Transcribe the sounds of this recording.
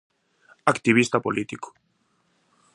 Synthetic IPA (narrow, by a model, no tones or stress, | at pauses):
akt̪iβist̪apo̰lit̪iko̥